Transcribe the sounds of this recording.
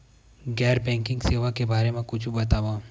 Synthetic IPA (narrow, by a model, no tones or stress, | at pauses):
ɡɛːɾbɛ̃ːŋkɪ̃ŋɡseːʋakebaːɾemẽkʊt͡ʃʰbɐt̪aːʋaː